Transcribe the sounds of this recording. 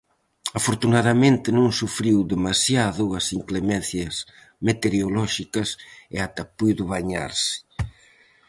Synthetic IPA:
afoɾt̪unaðɐmẽnt̪ɪnõŋsufɾiwd̪emasjaðʊɐsiŋklemẽn̟θjɐs | met̪eɾeolɔʃikɐsɪ̰at̪apujðʊβaɲa̰ɾsɪ̥

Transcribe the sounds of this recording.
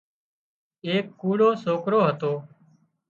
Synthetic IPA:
eːkːuːɽoːsoːkɾoːɦət̪oː

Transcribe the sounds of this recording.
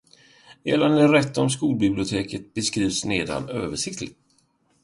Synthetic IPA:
eːland̪ɛɾɛt̪ːɔmskuːlbɪblɪʊt̪ʰeːkət̪̚bɛskɾiːvsneːd̪a̰nøːvəʂɪk̚t̪ʰlɪɡt̪

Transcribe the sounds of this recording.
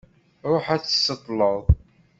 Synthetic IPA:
ɾˤoħæθsːət̪ˤːləðˤ

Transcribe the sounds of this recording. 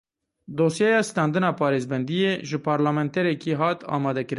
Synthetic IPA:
d̪oːsjɛjɑːst̪ɑːnd̪ɨnɑːpʰɑːɾeːzbɛnd̪ijeʒɨpʰɑːɾlaːmɛnt̪ɛɾɛkiːɦɑːt̪ɑ̰ːmɑːd̪ɛkɨɾɨn

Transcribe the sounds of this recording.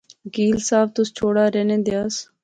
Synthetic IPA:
ɡiːlsaːbt̪ʊst͡ʃʰoːɽaːɾeːnẽːd̪eaːs

